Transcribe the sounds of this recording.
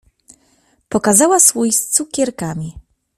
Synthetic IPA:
pɔkazawasfujst̪sukʲɛɾkamʲi

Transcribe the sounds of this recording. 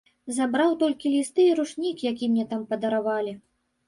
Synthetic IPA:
zabɾawt̪ɔlʲkʲilʲist̪ɨiɾuʂnʲikjakʲimnʲɛt̪ampɐd̪ɐɾavalʲi

